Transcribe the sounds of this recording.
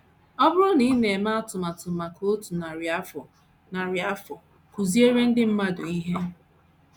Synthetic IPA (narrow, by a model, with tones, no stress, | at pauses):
ɔ˦bʊ˦ɾʊ˦ni˨˦ne˨e˨ma˦a˦tʊ˨ma˨tʊ˨ma˨ko˦o˦tu˨na˨ɾa˦fɔ˨ | na˨ɾa˦fɔ˨ | ku˨zi˦e˦ɾe˦n̩˦dɪ˦m̩˦ma˦dʊ˨i˦ɦe˦